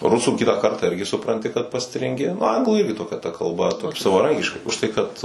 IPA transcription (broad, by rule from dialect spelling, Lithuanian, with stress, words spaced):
ˈrʊsuː ˈkʲɪtɑː ˈkɐrtɑː ˈɪrʲɡʲɪ sʊprɐnʲˈtʲɪ kɐt pɐsʲtʲrʲɪŋʲˈɡʲɪ nʊ ˈɐŋɡlˠuː ˈɪrʲɡʲɪ toːˈkʲɛ tɐ kɐlˠˈbɐ sɐʋɐˈrɐŋʲkʲɪʃkɐɪ ʊʃˈtɐɪ kɐt